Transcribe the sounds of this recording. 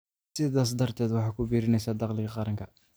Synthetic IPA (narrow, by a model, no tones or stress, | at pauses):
sɪðaːs̬d̪ɐrt̪ʰɛːd̪wɑħɑːkʰʊbiːɾɪnɛjsaːd̪ɑqlɪɣɐqɑɾɐŋkʰɐ